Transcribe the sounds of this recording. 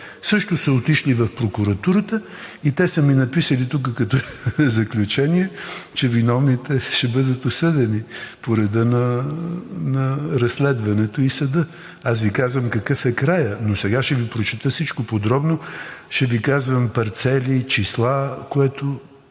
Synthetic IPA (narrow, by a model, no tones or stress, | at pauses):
sɤʃt̪ʊsəot̪iʃlivɐfpɾokuɾɐt̪uɾət̪ə | it̪ɛsəminɐpisəlit̪ukəkɐt̪ɔzɐklʲut͡ʃɛniɛt͡ʃɛvinɔvnit̪ɛʃɛbɤd̪ət̪osɤd̪ɛnipoɾɛd̪ənɐ | nɐɾɐsːlɛd̪vɐnɛt̪oisɐd̪ə | asvikazvəmkɐkɤfɛkɾajənosɛɡaʃɛvipɾot͡ʃɛt̪əsit͡ʃkopod̪ɾɔbnoʃɛvikazvəmpɐɾt̪sɛlit͡ʃislˠakoɛt̪o